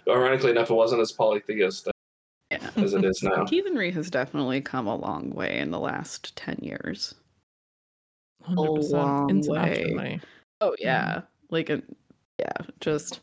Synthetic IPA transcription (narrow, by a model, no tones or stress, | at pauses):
əɪɹɑnɨkliɨnʌfət̚wʌzə̃ntɨz̥pʰɑlaɪk̚ðɨɡɪst | jæ̰ɨzɨɾɪznaʊkʰiðɨ̃nɹiɨzdɛfənətˡlikʰʌ̃mə̰lɔ̰̃ŋwḛɪɨ̰̃nðə̰læ̰sttʰɛ̰̃njɪ̰ɹz̥ | hʌ̃əlɔ̃ŋ̃weɪi | oʊjæ̰ | laɪkɨt | jæ̰d̥ʒ̥ʌst̚